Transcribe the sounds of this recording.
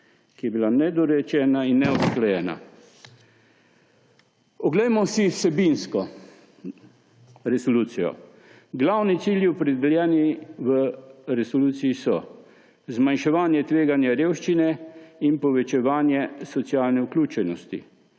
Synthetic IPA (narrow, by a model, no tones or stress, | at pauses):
kijɛbilanɛd̪ɔɾɛt͡ʃɛːnainːɛɔbsklɛjɛːna̰ | ɔɡlɛjmɔsisɛbinskɔ | ɾɛsɔluːt̪sijɔ̰ | ɡlawnit̪siljiɔpɾɛd̪ɛljɛːniʋəɾɛsɔluːt̪siːsɔ | zmanʃɛʋaːnjɛt̪ʋeːɡanjaɾeːwʃt͡ʃinɛinpɔʋɛt͡ʃɛʋaːnjɛsɔt̪sjaːlnɛuklʲuːt͡ʃɛnɔst̪ḭ